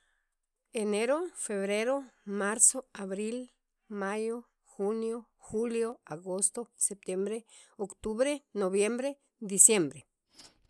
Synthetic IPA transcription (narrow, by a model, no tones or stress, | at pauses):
eneɾofeβɾeɾomaɾsoaβɾil | majo | xunjo | xuljoaɣost̪osep̚t̪jembɾeokt̪uβɾenoβjembɾe | d̪isjembɾe